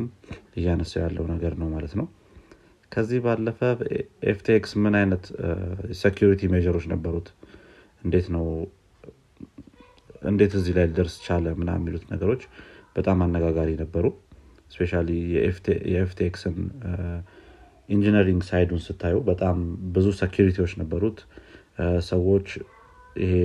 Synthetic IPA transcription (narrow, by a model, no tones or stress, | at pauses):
mɨjːɛanəsːawjalːə̰wnəɡəɾnəwmalət̪nəw | kʰəzːihbalːəfəʔeft̪ʰeeksmɨnajnət̪sekʰjuɾit̪ʰimed͡ʒəɾo̞t͡ʃːnəbːəɾut̪ | ʔɨnd̪e̞t̪nəw | ʔɨ̰nd̪e̞t̪ɨzːihlajld̪əɾst͡ʃʰaləmɨna̰mːilut̪nəɡəɾo̞t͡ʃːb̥ət̪ʼamanːəɡaɡaɾinəbːəɾu | spe̞ʃalijɛeft̪ʰejɛeft̪ʰeeksɨn | ind͡ʒiniɾiŋɡsajd̪unsɨt̪ʰːajɛbət̪ʼambɨzusekjuɾit̪ʰiwo̞t͡ʃːnəbːəɾut̪ | səwo̞t͡ʃː | ɪ̰he